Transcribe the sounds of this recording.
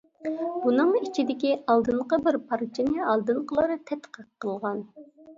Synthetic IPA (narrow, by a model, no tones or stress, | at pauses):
b̥unɨŋit͡ʃʰid̪ɪkʲiɑlˠd̪ɨɴqəbɪɾpʰɑɾt͡ʃʰinɨɑlˠd̪ɨɴqəlˠɑɾɨt̪ʰɛt̪qəqʰːəlˠʁɑn